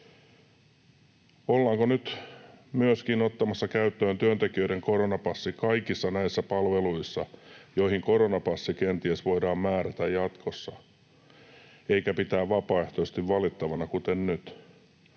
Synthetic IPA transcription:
olːɑːŋkonyt̪myøskinot̪ːɑmɑsːɑkæyt̪ːøːnt̪yønt̪ekiøiɾeŋkoɾonɑpɑsːikɑikisːɑnæisːæpɑlʋeluisːɑjoihiŋko̞ɾonɑpɑsːikent̪iesʋoidɑːmmæːɾæt̪æjjɑt̪kʰosːɑ | eikæpit̪æːʋʋɑpɑːeht̪osest̪iʋʋɑlit̪ːɑʋɑnɑkut̪ennyt̪

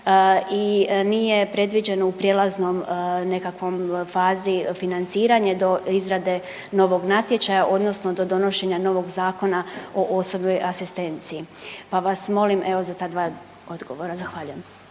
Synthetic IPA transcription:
inijepɾe̞d̪ʋid͡ʑe̞no̞upɾjelˠaznomne̞kakʋo̞mfaːzifinant̪siːɾaɲed̪o̞izɾad̪e̞ | no̞ʋo̞ɡnat̪je̞t͡ʃajaʔo̞d̪no̞snod̪o̞d̪o̞no̞ʃe̞ɲano̞ʋo̞ɡzaːko̞naoʔo̞so̞bno̞jʔasist̪e̞nt̪siːpaʋasmo̞limʔe̞ʋo̞zat̪ad̪ʋaː | od̪ɡo̞ʋo̞ɾazaxʋaːʎujem

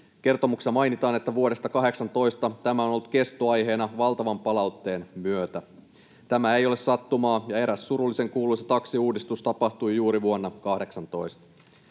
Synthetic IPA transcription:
k̟e̞rt̪o̞muksemɑjnit̪ɑːne̞t̪ːæʋuo̞ɾe̞st̪ɑkɑɦe̞ksɑnt̪o̞jst̪ɑt̪æmæo̞nolːut̪ke̞st̪oɑjɦe̞ːnɑʋɑlˠt̪ɑʋɑmpɑlɑwt̪ːe̞ːnmyøt̪æ | t̪æmæe̞jo̞le̞ssɑt̪ːumɑːjɑe̞ɾæsːuɾulːise̞ŋkuːlujset̪ɑksiuːdist̪ust̪ɑpɑht̪ujjuːɾiʋuonːɑkɑhde̞ksɑnt̪o̞jst̪ɑ̥

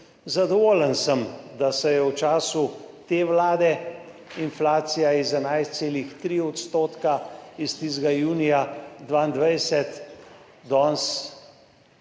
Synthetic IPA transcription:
zad̪ɔʋoːlənsəmd̪asɛjɛwt͡ʃaːsut̪eːʋlaːd̪ɛ | inflaːt̪sijaizɛnajst̪seːlixt̪ɾiɔt̪st̪oːt̪kaist̪izɡajuːnijad̪ʋaːind̪ʋajsɛt̪ | d̪ɔːns

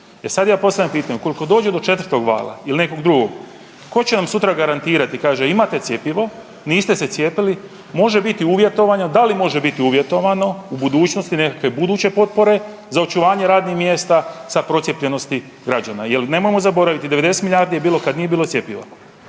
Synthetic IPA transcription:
e̞sad̪jaːpo̞st̪ajempiːt̪aɲuko̞liko̞d̪oːd͡ʒed̪o̞t͡ʃe̞t̪vrɾt̪o̞ɡʋa̰ːlˠa̰iline̞ko̞ɡd̪ɾuɡo̞ɡ̥ | ko̞t͡ɕenamsut̪ɾaɡaɾant̪iːɾat̪ikaːʒeimat̪e̞t̪sje̞piʋo̞ | niːst̪e̞se̞t̪sje̞ːpili | mo̞ʒe̞bit̪iuʋje̞t̪o̞ʋaɲo̞d̪alimo̞ʒebit̪iuʋje̞t̪o̞ʋano̞ubud̪uːt͡ʃno̞st̪ine̞kakʋe̞bud̪uːt͡ɕe̞po̞t̪̚po̞ɾe̞ | zao̞t͡ʃuʋaːɲe̞ɾaːd̪nixmje̞ːst̪asapɾo̞sje̞pʎe̞no̞st̪i | ɡɾad͡ʒanajeline̞mojemo̞zabo̞ɾaʋit̪id̪e̞ʋe̞d̪e̞set̪miʎʲaːɾd̪ijebiːlo̞kad̪nijebiːlˠosje̞piʋo̰

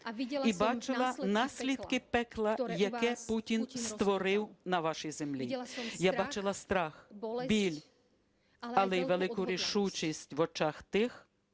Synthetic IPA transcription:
ibɑt͡ʃɪlˠɐnɑsʲlʲid̪kɪpɛklˠɐjɐkɛputʲinst̪ʋɔɾɪwnɐʋaʃijzemlʲijabɑt͡ʃɪlˠɐst̪ɾɑxbʲilʲ | ɐlˠɛjʋelˠɪkʊɾʲiʃut͡ʃisʲtʲʋɔt͡ʃaxt̪ɪx

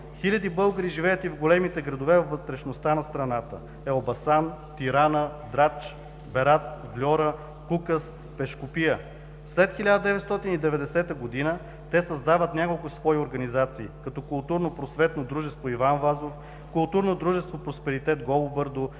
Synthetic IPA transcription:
xilʲɐd̪ibɤlˠɡəɾiʒivɛjət̪ivɡolɛmit̪ɛɡɾɐd̪ovɛvvːət̪ɾɛʃnost̪anɐst̪ɾɐnat̪ə̰ | ɛobɐsant̪iɾanəd̪ɾat͡ʃ | bɛɾat̪vlʲɔɾə | kukəs | pɛʃkopiə | slɛt̪xilʲad̪əd̪ɛvɛt̪st̪ɔt̪inid̪ɛvɛd̪ɛsɛt̪əɡod̪inə | t̪ɛsɐzd̪avət̪nʲjakolˠkʊsvɔioɾɡɐnizat̪siːkɐt̪ɔkʊlˠt̪uɾnopɾosvɛt̪nod̪ɾuʒɛst̪voivanvazof | kʊlˠt̪uɾnod̪ɾuʒɛst̪vopɾospɛɾit̪ɛt̪̚ɡɔlˠobəɾd̪o

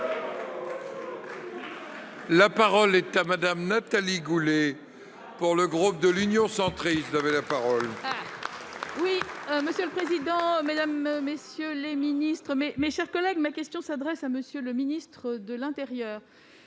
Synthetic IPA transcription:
lapaʁɔlɛt̪amad̪amnat̪aliɡule | puʁləɡʁup̚d̪əlynjɔ̃sɑ̃t̪χiszavɛlapaʁɔl | wiməsjøləpχezid̪ɑ̃med̪amːesjøleminist̪χəmɛmeʃɛʁkɔlɛɡmakʲɛst̪jɔ̃sad̪ʁɛsaməsjøləminist̪χəd̪əlɛ̃t̪eʁjœːʁ

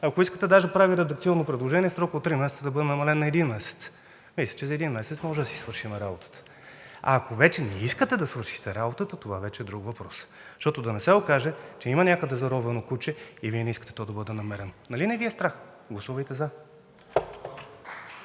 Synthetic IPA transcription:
ɐkoiskət̪ɛd̪aʒɐpɾaviɾɛd̪ɐkt̪ʲiɔnːopɾɛd̪lˠoʒɛniɛsɾɔklot̪ːɾimɛsɛt̪səd̪ɐbɤd̪ɛnɐmɐlɛnːɐɛd̪inmɛsɛ̥t̪s | mislʲɐ̥t͡ʃɛzɐɛd̪inmɛsɛt̪smɔʒɛd̪ɐsi̥svɤɾʃimɛɾabot̪ə̥t̪ə̥ | ɐa̰ːkovɛt͡ʃɛnɛiskət̪ɛd̪ɐsvɤɾʃi̥t̪ɛɾabot̪ət̪ət̪ovavɛt͡ʃɛːd̪ɾuɡvɐpɾɔs | ʃt̪ɔt̪od̪ɐnɛsɛokaʒɛt͡ʃɛimɐnʲakəd̪ɛzɐɾɔvɛnokut͡ʃɛiviɛnɛiskət̪ɛ̥t̪ɔd̪ɐbɤd̪ɛnɐmɛɾɛnonɐlinɛviɛst̪ɾax | ɡlˠɐsuvɐjt̪ɛza

